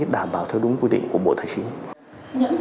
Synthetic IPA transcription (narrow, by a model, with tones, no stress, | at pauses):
ət̚ɗaː˧˩mɓaː˧˩wt̪ʰɛ˧wɗʊ˨˦ŋ͡mkwi˧ɗḭ̈˧˨ŋ̟ku˧˩əɓo̰˧˨t̪ʰaː˨˩jt͡ɕi˨˦n | ɲɨ̰˧˥ŋ